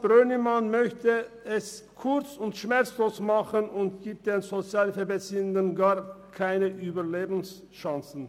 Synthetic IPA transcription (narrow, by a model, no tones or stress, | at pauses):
b̥ʁøːnəmanmœçtə | ɛskʰʊʁt͡sʊntʃmɛʁt͡sloːsmaχənʊntɡ̥iːp̚t̚d̥eːnzot͡sjaːlfɛɐbɛsiəndənɡaːɐʁkʰaɪnəʔyːbɐleːbn̩s | ʃaŋsn̩